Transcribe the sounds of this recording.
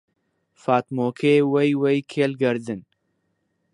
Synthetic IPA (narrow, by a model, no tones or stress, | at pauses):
faːt̪moːkʰewɐjwejkʰeːlɡɐɾd̪ɨn